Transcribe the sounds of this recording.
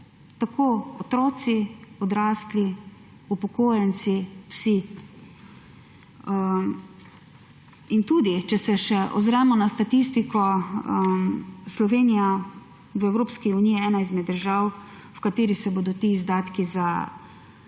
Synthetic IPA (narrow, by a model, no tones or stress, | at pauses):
t̪akʰoːɔt̪ɾɔːt̪siɔd̪ɾaːsli | upɔkoːjɛnt̪siwsi | int̪uːd̪it͡ʃɛsɛʃɛʔɔ̰zɾɛmɔnast̪at̪ist̪ikɔ | slɔʋeːnija | wɛwɾoːpskiuniːjiɛːnaizmɛd̪ːəɾʒaw | wkat̪eːɾisɛboːd̪ɔt̪iːzd̪aːt̪kiza